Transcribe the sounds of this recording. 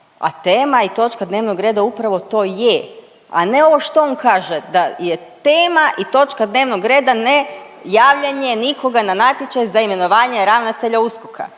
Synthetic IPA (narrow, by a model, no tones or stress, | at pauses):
a̰t̪eːmait̪o̞t͡ʃkad̪ne̞ːʋnoɡɾe̞ːd̪aupɾaʋo̞t̪o̞ːje | a̰ne̞o̞ʋo̞ʃt̪oonkaːʒed̪ajet̪eːmaʔit̪o̞t͡ʃkad̪ne̞ːʋnoɡɾe̞ːd̪ane | jaːʋʎaɲe̞niko̞ɡananat̪jet͡ʃajzaime̞no̞ʋaːɲeɾaʋnat̪e̞ʎauskokʰa̰